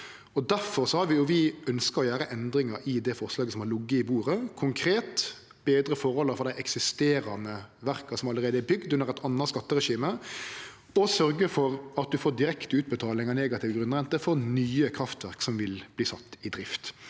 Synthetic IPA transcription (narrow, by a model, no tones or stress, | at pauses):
ɔd̪æɾfɔɾsɔhɑɾʋɪjʊʋɪœnskəɾɔjæːɾəʔɛnd̪ɾɪŋɑɾɪd̪ɛfɔɾslɑːɡəsɔmhɑɾlʊɡːəɪbuːɾəkʰʊŋkʰɾeːt̪ | b̥eːd̪ɾəfɔɾhɔlːəɾfɔɾd̪æɪʔɛksɪst̪eːɾɑnəʋæɾkɑsɔmɑləɾeːd̪əɛbʏɡd̪ʉnəʁɛt̪ʰɑnːɑtskɑt̪ːəɾɛʃiːmə | ɔsœɾɡəfɔɾɑt̪̚d̪ʉfoːd̪ɪɾɛkt̪əʉːt̪̚bət̪ʰɑːlɪŋɑneːɡɑt̪ʰɪːʋɡɾʉnʁɛnt̪əfɔɾnyːəkʰɾɑft̪ʋæʁksɔmʋɪlb̥liːsɑt̪ːɪd̪ɾɪft̪